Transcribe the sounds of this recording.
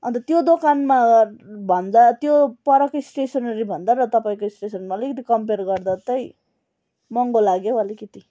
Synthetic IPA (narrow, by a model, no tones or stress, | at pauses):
ʌnt̪ʌt̪jod̪okanmabʱʌnd̪at̪jopʌɾʌkʌjsʈesʌnʌɾibʱʌnd̪aɾʌt̪ʌpaĩkoisʈesʌnmaʌlikit̪̬ikʌmperɡʌrd̪at̪ʌj | mʌŋɡolaɡjoʌlikit̪i